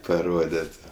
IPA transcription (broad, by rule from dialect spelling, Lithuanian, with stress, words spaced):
pɐˈroːdʲeːtʲ